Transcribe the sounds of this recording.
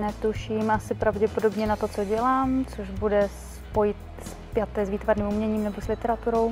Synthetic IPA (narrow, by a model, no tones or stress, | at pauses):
nɛt̪uʃimʔasɪpɾavɟɛpo̞do̞bɲɛnat̪o̞t͡so̞ɟɛlaːmt͡soʃbudɛs | po̞jɪt̪ | s | pjat̪ɛːsviːt̪vaɾniːmumɲɛɲiːmnɛboslɪt̪ɛɾat̪uɾo̞w